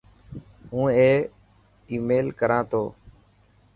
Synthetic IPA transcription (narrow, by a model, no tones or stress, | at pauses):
ɦũːeː | iːmeːlkəɾãːt̪ʰoː